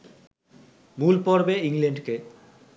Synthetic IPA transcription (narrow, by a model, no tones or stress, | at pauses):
mulpɔɾbeiŋleɳɖke